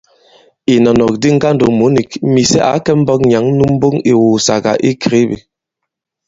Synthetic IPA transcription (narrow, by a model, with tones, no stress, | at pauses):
i˨nɔ˨nɔ˨k̚di˦ŋ̩˦ɡa˦n̩˦do˨mu˨˦ni˨kmi˨sɛ̰˦ʔa̰˨˦kɛ˦m̩˦bɔ˦k̚ɲa˨˦ŋ̩˦nu˦m̩˦bu˦ŋi˨wu˨sa̰˨ɡa̰˨ʔi˦kɾi˨˦bḭ˨